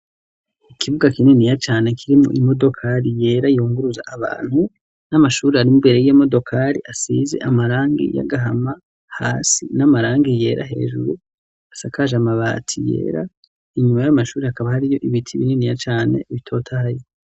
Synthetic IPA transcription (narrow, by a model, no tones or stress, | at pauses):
ikʰiβuɡakininijat͡ʃaːne̞kʰiɾimṵʔimo̞do̞kʰaɾije̞ːɾajuːŋɡuɾuza̰ʔːβa̰ːn̥hu | namaʃuːɾiaɾimubeɾejemo̞do̞kʰaɾḭʔasize̞̰ʔamaɾaːŋɡḭja̰ɡaɦama | haːsinamaɾaːŋɡije̞ːɾʔa̰ɦe̞̰ːʒṵɾu | asakaʒamaβa̰tʰijḛːɾa | iɲumajamaʃuːɾehakaβahaɾijo̞ʔiβitʰiβininijat͡ʃaːne̞̰βitʰo̞ːtʰahajo